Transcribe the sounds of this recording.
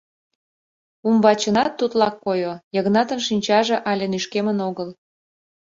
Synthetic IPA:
umbɑt͡ɕənɑt̪ːut̪lɑkːojojəɣnɑt̪ənʃinʲt͡ɕɑʒĕʔɑlʲenyʃkemənoɣəl

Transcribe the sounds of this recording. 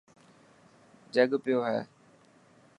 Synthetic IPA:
d͡ʒəɡpɪjoːɦɛ̰ː

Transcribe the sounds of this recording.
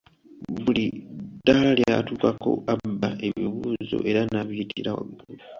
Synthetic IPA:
βulid̥ːalaljatuːkakʰo̞̰abːaʔe̞βiβuːzo̞̰ʔe̞ɾanaβjtʰiɾawa̰βiuuu

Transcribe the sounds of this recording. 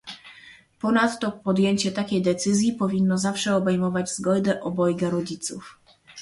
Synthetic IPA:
pɔnat̪ːɔpɔd̪jeɲt͡ɕɛt̪akʲejd̪ɛt̪sɘzʲjipɔvʲinːɔzafʂɛɔbɛjmɔvad͡ʑzɡɔjd̪ɛʔɔbɔjɡaɾɔd͡ʑit̪suf

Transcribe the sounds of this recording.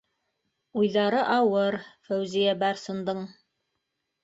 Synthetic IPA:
ujðɑɾɤʔɑwɤɾfæwzijæbæɾsɤ̆nd̪ɤɴ

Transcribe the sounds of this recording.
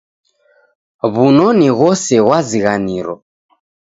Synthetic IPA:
βunɔniɣɔsɛɣwaziɣaniɾɔ̰

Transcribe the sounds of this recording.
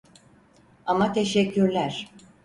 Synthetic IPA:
amat̪ʰeʃɛcʰːyɾlʲæɾ̥

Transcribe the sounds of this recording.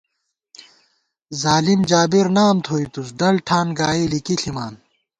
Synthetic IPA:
zaːlimd͡ʑaːbiɾnaːnt̪ʰoːit̪us̬ɖɐlʈʰaːnɡaːilikiɬimaːn

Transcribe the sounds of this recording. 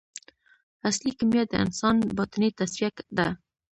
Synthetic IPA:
aslikamjat̪̚d̪ə̰ɪ̰nsɑnbɑt̪ənet̪aswiakd̪a

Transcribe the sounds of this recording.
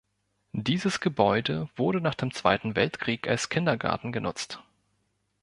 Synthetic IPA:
d̥iːzəsɡ̥əbɔʏdəv̥ʊɐɾənaːχd̥eːmt͡sv̥a̰ɪtn̩vɛltkʁ̥iːka̰lskʰɪndɐɡa̰ɐtn̩ɡənʊ̰t͡st

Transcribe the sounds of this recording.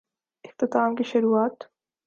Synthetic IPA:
ɪft̪ɪt̪aːmkiʃʊɾuːaːt̪

